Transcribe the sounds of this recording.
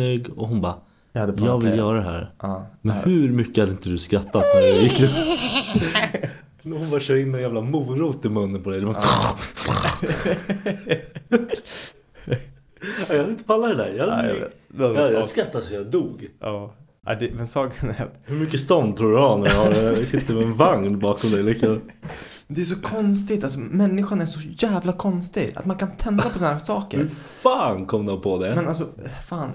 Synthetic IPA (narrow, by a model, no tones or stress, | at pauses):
øːɡɔɦʊnbɑ | had̪ːjjɑːɡvɪljœːɾad̪ɛɦæ̰ːɾmɛnhɵɾmʏkːəhad̪əɪnt̪əd̪ɵskɾat̪ːat̪næɾɛjɪkːd̪ɛ | hʊnbɑːɾɕœːɾɪnːɛnjæːvlamuːɾuːt̪ːɪmɵnːənpɔd̪ɛjd̪ɛmba | ajɑhad̪ɪnt̪əpʰalːad̪æɾjɑhad̪̰ɛjɑskɾat̪ːad̪sjad̪uːɡʔɑː | ʔa̰d̪ɛmɛnsɑːɡnɛ̰t̪hɵɾmʏkːəst̪ɔnd̪t̪ʰɾuːdəanæjhasɪt̪ːəɾmɛɛnvaŋnbɑːkɔmd̪ɛjlɪka | nd̪ɛæʂɔkʰɔnst̪ɪt̪als̬ɔmɛnːɪɧanæʂɔjæːvlakʰɔnst̪ɪɡa̰t̪mankʰant̪ʰɛnd̪apʰɔs̬anːasɑːkə̰hɾɵɾfaːnkʰɔmd̪ɔpʰɔd̪ɛmɛnals̬ɔfaːn